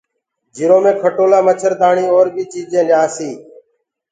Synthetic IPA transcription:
d͡ʒɪɾõːmẽːkʰəʈoːlaːmət͡ʃʰəɾd̪aːɳiːoːɾbiːt͡ʃiːd͡ʒẽːljaːsiː

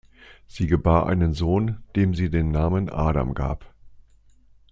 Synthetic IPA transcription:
z̥iːɡəbaːɐʔa̰ɪnənzoːnd̥eːmziːdeːnːaːmənʔa̰ːɾa̰mɡa̰ːp

